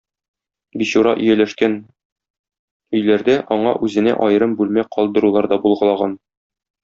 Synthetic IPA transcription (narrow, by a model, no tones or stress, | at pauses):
biɕuɾɑ̰ʔɵ̆jælæʃkæn | ɵ̆jlæɾd̪æʔɒɴɑ̰ʔʉzɘ̆næ̰ʔɒjɤ̆ɾɤmbʉlmæqʰɒlˠd̪ɤ̆ɾulˠɑɾd̪ɒbulˠʁɤ̆lˠɑʁɑn